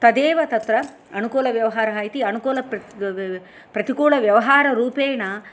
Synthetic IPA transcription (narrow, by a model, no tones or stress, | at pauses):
t̪ɐd̪eːʋɐt̪ɐt̪ɾɐ | ɐnukoːlɐʋjɐʋɐɦaːɾɐɦaːjt̪iɐnukoːlɐp | pɾɐt̪ikuːɭɐʋjɐʋɐɦaːɾɐɾuːpeːnɐ